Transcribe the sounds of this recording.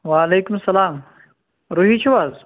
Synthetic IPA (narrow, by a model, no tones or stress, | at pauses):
ʋaːleːkʊmsɐlaːm | ɾuɦit͡ʃʰuʋaːz